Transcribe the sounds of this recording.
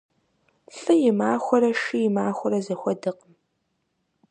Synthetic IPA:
fɨjɪmaːxʷɔɾɐʃijɪmaːxʷɔɾɐzɐxʷɔdɨq̚əm

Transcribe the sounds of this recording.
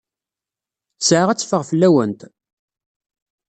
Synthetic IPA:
sʕaʁæt͡sːfəʁfəlːæwənt̪

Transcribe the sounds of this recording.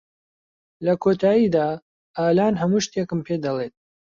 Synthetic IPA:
lɐkʰoːt̪ʰaːjiːd̪aː | aːlaːnɦɐmuʃt̪ekɨmpʰeːd̪ɐlˠet̪̚

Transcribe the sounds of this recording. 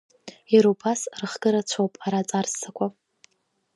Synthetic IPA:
iɾubasrɨχɡɨɾat͡ɕʷʰopʼaɾat͡sʼarsakʷʰʼa

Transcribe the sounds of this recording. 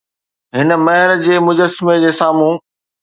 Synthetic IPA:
ɦɪnə̆mɐɦɪɾd͡ʑeːmʊd͡ʑəsɪmed͡ʑeːsaːmũː

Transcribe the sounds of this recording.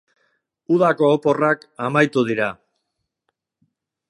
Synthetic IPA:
uðako̞ːpo̞rakamajt̪uð̞iɾa

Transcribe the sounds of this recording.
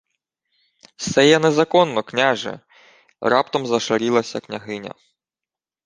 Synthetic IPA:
sɛjɛnɛzɐkɔnːɔknʲaʒɛ̰ | rɑpt̪ɔmzɐʃɐɾʲilˠɐsʲɐknʲɐɦɪnʲɐ̰

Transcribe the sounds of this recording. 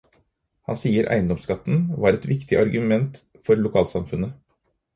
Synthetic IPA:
hɑ̰nsiːəɾʔæ̰ɪənd̪ɔmskɑt̪ːn̩ʋɑːɾɛt̪ʋɪkt̪ɪʔɑɾɡʉmɛnt̪ | fɔɾlʊkʰɑːlsɑmfʉnə

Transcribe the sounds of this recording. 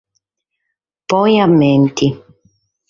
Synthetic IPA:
pɔjamːɛnt̪i

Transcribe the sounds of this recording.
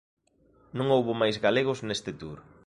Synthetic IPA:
nõŋowβʊmajzɣaleɣ̞ʊznest̪ɪt̪uɾ

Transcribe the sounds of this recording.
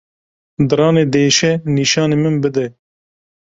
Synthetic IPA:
d̪ɨɾɑːneːd̪eːʃɛniːʃɑːneːmɨnbɨd̪ɛ

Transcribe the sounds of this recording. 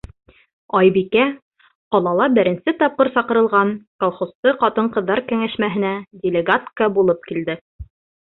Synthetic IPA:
ɑjbikæ | qɒlˠɑlˠɑbɘ̆ɾɘ̆nsɘt̪ɑp̚qɤɾsɑqɤ̆ɾɤ̆lˠʁɑnkolˠχost̪ɤqɑt̪ɤɴqɤ̆ðːɑɾkæŋæʃmæɦɘ̆nædʲelʲɪɡat̪kəbulˠɤp̚kild̪ɘ

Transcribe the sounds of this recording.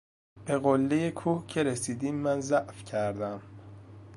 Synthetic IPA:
b̥e̞ɣolːejekʰuːhcʰe̞ɾesiːd̪iːmːænzæʔfcʰæɾd̪æm

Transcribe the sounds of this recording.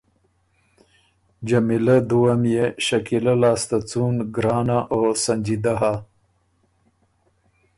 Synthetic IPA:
d͡ʒamilad̪uwamjeʃɐkilalɑːst̪at͡sunɡɾɑːnaʔosɐnd͡ʒid̪aɦa

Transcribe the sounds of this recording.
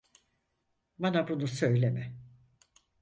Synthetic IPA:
banabunusøjlʲemɛ

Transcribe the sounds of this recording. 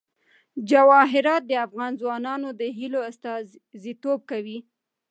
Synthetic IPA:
d͡ʒawɑɦɪɾɑt̪̚d̪əafɣɑnzwɑnɑnod̪əɦiloast̪ɑ | zit̪ob̚kawi

